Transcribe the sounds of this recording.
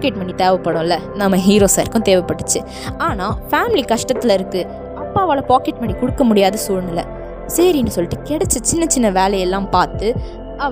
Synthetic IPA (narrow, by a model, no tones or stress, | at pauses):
keʈmɐɳːit̪eːʋɐpːɐɽʊ̃ɪlːɐ | nɐmːɐɦiːɾoːsaːɪɾɯkːʊ̃t̪eːʋɛpːɐʈːɯt͡ʃːɯ | aːnaːfaːmɪlikɐʂʈɐt̪ːɪlɪɾɯkːɯ | ɐpːaːʋaːlɐpaːkɛʈ̚mɐɳːikʊɽɯkːɐmʊɽɪjaːðɐsuːɻnɪlːɐ̰ | sɐɾiɪnːɯsɔlːɪʈːɯkɛɽɛt͡ʃːɐt͡ʃɪnːɐt͡ʃːɪnːɐʋeːlɐjɛlːãːpaːɾt̪ɯ | ɐ